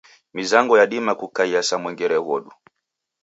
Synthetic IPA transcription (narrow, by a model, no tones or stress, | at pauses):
mizaŋɡɔjaɗimakukaiasamwɛŋɡɛɾɛɣɔɗu